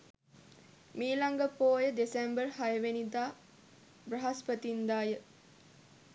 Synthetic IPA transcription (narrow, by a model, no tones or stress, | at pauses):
miːlaŋɡəpoːjəd̪esembərhajəʋenid̪aː | brəɦaspət̪ind̪aːjə